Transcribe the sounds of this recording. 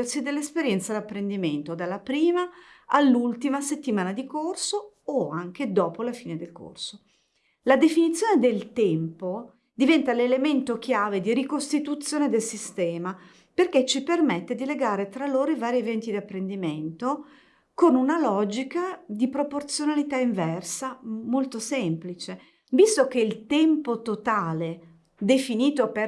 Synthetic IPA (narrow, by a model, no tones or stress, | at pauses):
ersid̪elːespeɾjɛnt̪sad̪apːɾend̪iment̪od̪alːapɾiːmaalːult̪imaset̪ːimaːnad̪ikorso | oaŋk̟ed̪ɔːpolafiːned̪elko̰rso | lad̪efinit̪sjoːned̪elt̪ɛmpo | d̪ivɛnt̪alelement̪ok̟jaːved̪iɾikost̪it̪ut̪sːjoːned̪elsist̪ɛːma | perk̟et͡ʃːipermet̪ːed̪ileɡaːɾet̪ɾaloːɾoivaːɾievɛnt̪id̪iapːɾend̪iment̪o | konunalɔd͡ʒikad̪ipɾoport̪sjonalit̪aiɱvɛrsamolt̪osɛmplit͡ʃe | bist̪ok̟eilt̪ɛmpot̪ot̪aːle | d̪efiniːt̪ope